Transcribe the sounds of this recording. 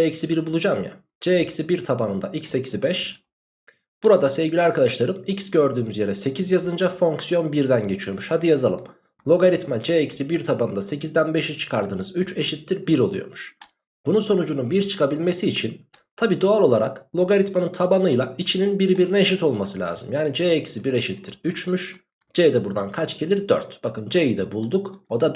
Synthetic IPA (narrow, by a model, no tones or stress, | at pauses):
d͡ʒeɛcsibiɾibulˠud͡ʒamja̰ | d͡ʒeɛcsibiɾt̪ʰabanɯnd̪a̰ʔicsecʰi̥zibɛʃ | b̥uɾad̪asevɟilʲiaɾkad̪aʃlˠaɾɯmicsɟø̞ɾd̪yːmyzje̞ɾɛse̞cʰizjazɯnd͡ʒafo̞ŋksijo̞nbiɾd̪ænɟe̞t͡ʃʰijo̞̰muʃhad̪ijazalˠɯ̰m | lʲˠo̞ɡaɾit̪mad͡ʒeɛcsibiɾt̪ʰabanɯnd̪ase̞cizd̪ænbe̞ʃit͡ʃʰɯ̥kʰaɾd̪ɯnɯzyt͡ʃe̞ʃit̪ːiɾbiɾo̞lˠujo̞̰ɾmuʃ | b̥unuso̞nud͡ʒununbiɾt͡ʃʰɯ̥kʰabilʲme̞siːt͡ʃʰin | t̪ʰabiːd̪oalˠo̞lˠaɾa̰klʲˠo̞ɡaɾit̪manɯnt̪ʰabanɯjlˠait͡ʃʰininbiɾbiɾinɛeʃ̬it̪o̞lˠmasɯlʲa̰ːzɯmjaːnid͡ʒeecsibiɾe̞ʃit̪ːiɾyt͡ʃmyʃ | d͡ʒed̪ɛbuɾd̪ankʰat͡ʃcʰelʲiɾd̪ø̰ɾt̪b̥akɯnd͡ʒeid̪ɛbulˠd̪uko̞d̪a